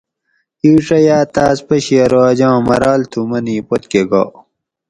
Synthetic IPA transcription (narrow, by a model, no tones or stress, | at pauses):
iwʂɐjaːt̪aːspɐɕiɐɾoːd͡ʑãːmɐ̰ɾaːlt̪ʰumɐniːpot̪keɡa̰ː